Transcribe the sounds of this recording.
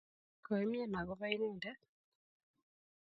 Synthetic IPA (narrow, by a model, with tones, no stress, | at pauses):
kɔ˨e˦mjɛ˦˨na˨ɣɔ˦βa˦i˦neː˦˨ndɛ˦